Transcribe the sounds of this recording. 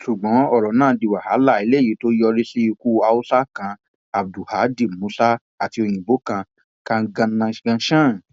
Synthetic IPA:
ʃu˨ɡ͡bɔ̃˨˦ɔ˦˨ɾɔ˨˦nãː˦˨di˨wa˨ha˨˦la˦˨i˨˦le˦˨ji˨˦to˦jɔ˧ɾi˦se˦i˧ku˦a˧u˦sa˦kã˧ | a˨b̚du˨ha˨˦di˦˨mũ˨˦sa˦ | a˨ti˧o˧j̃ĩ˨bo˨˦kã˧ | kã˧ɡã˧nã˧ɡã˧˦ʃã˦˨

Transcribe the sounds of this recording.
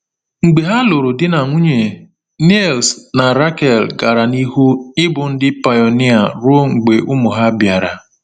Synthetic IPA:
ŋ͡m̩˨ɡ͡be˨ɦa˦lo˨ɾo˨dɪ˦na˨ŋʷu˦ɲe˨ | ni˦˨lsna˨ɾa˦kɛ˨lɡa˨ɾa˨ni˦ɦu˦ɪ˦bʊ˨n̩˦dɪ˦pa˨jɔ˨ni˦a˨ɾo˦o˦ŋ͡m̩˨ɡ͡be˨ʔʊ˦mʊ˨ɦa˦bja˨ɾa̰˨

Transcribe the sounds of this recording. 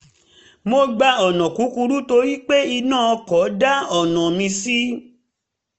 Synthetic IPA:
mo˧ɡ͡ba˧ɔ˨nɔ̃˨ku˨˦ku˧ɾu˦to˧ɾi˦k͡pe˦i˧nãː˦˨ɔ˧kɔ˨˦da˦ɔ˨nɔ̃˨mĩ˧si˦

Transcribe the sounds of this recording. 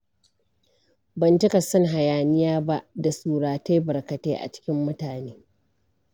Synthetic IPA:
bɐ˨ntɪ˦ka˨sɐ˦ŋɦa˨jaː˨nɪ˦jaː˦ba˦ʔda˨suː˦ɽaː˨ta˦jbɐ˨ɾkɐ˨teː˦ʔa̰˨t͡ʃɪ̥˦kʲɪ˦mːʊ˦taː˨neː˦

